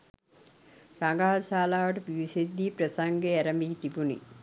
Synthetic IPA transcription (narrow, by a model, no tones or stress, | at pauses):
ɾaŋɡaɦalsaːlaːʋəʈəpiʋised̪ːiːpɾəsaŋɡeæɾəmiɦit̪ibunḭ